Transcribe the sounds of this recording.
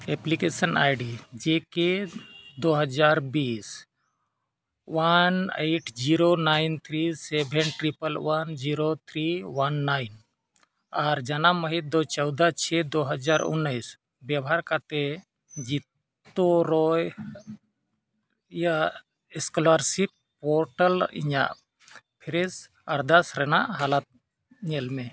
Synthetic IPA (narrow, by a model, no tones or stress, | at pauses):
eplikesəna̰jɖid͡ʒeked̪oɦəd͡ʒaɾbis | waneʈʰd͡ʒiɾonaɪnt̪ʰɾisebʱɛnʈɾipəlwand͡ʒiɾot̪ʰɾiwanːaɪn | aɾd͡ʒanaməɦid̪ot͡ʃɔwd̪at͡ʃʰɛd̪oɦəd͡ʒaɾṵnːəjs | bjabaɾkat̪ɛ | d͡ʒit̪ː | oɾɔj | ja | ɛskɔlaɾsiʈ̚ | pɔɾʈəlḭɲa̰ʔ | pʰɛɾɛs | aɾd̪asɾɛna̰ʔɦalat̪̚ | ɲɛlmɛ̃